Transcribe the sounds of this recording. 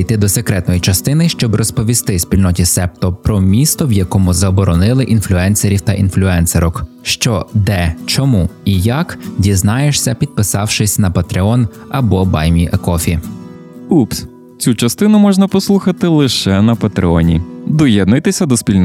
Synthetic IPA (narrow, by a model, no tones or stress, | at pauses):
jt̪ɪd̪ɔsekɾɛt̪nɔjit͡ʃɐst̪ɪnɪʃt͡ʃɔbrɔspɔʋʲist̪ɪspʲilʲnɔtʲisɛp̚t̪ɔpɾɔmʲist̪ɔwjɐkɔmʊzɐːbɔɾɔnɪlˠɪʔinflʲʊɛnseɾʲiwt̪ɐʔinflʲʊɛnseɾɔk | ʃt͡ʃɔd̪ɛt͡ʃɔmuijɐkdʲiznɑjeʃsʲɐpʲid̪̚pɪsɑwʃɪsʲnɐpɐt̪ɾeɔnɐbɔbɑjmʲiʔɐkɔfʲi | ups | t͡sʲut͡ʃɐst̪ɪnʊmɔʒnɐpɔslˠuxɐt̪ɪlˠɪʃɛnɐpɐt̪ɾeɔnʲḭd̪ɔjɛd̪nʊjt̪ɪsʲɐd̪ɔspʲilʲn